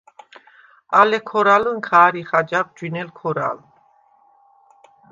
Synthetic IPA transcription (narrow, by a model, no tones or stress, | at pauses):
alɛkʰɔɾalunkʰaːɾiχad͡ʒab̚d͡ʒwinɛlkʰɔɾa̰lu